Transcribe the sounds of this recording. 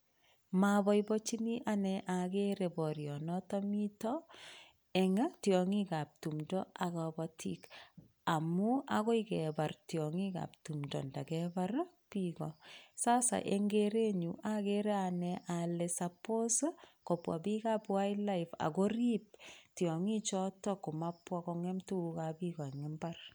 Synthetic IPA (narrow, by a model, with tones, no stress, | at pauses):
ma˨bɔ˦jbɔt͡ʃi˦ni˦ʔanɛʔa˨ɡe˦ɾe˨bɔ˨ɾjɔ˨nɔtɔmi˦tɔ | ɛ˨ŋa˦tjɔŋi˦ka˨p̚tu˨mdɔ˦a˨ɣɔbɔtʰḭk | a˨muaɣo˦ikɛ˨ba˨rtjɔŋika̰˨p̚tu˨mdɔ̰˨nda˨ɡɛbar | pikɔsaː˦sa̰˨ʔe˨ŋɡeɾe˦ɲuʔa˦keɾe˦anɛʔa˨le˨sa˨po˦sko˨pwa̰˨bi˦ka˦pwa˦ila˦iva̰˨ko˦ri˦p̚tjɔ˨ŋi˦t͡ʃɔ˦tɔ˦ku˨ma˦pːwakɔŋɛ˦mtu˦ka˨pikɔ˨ɛ˨ŋɛmbar